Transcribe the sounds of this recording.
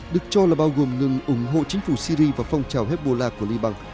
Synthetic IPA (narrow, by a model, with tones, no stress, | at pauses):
ɗɨ˨˩ək̚t͡ɕɔ˧laː˨˩ɓaː˧wɣo˨˩mŋɨ˨˩ŋʔʊ˨˧˩ŋ͡mɦo̰˧˨t͡ɕï˨˦ŋ̟fu˧˩si˧ɾi˧vaː˨˩fa˧wŋ͡mt͡ɕaː˨˩wɦɛ˦˥t̚ɓo˧˩laː˧ku˧˩əli˧ɓa˧ŋ